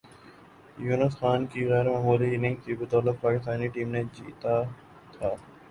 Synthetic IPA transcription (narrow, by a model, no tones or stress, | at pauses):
juːnəsxaːnkiːɾɛːɾmaːmuːliɪnɪ̃ŋɡt̪ʰibɪt̪ɔːlək̚paːkɪst̪aːniʈiːmnẽd͡ʑḭːt̪a | t̪ʰaː